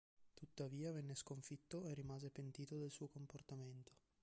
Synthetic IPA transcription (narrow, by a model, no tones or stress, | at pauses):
t̪ut̪ːaviːavɛnːeskoɱfit̪ːoerːimaːzepent̪iːt̪od̪elsuːokomport̪ament̪ʰo̥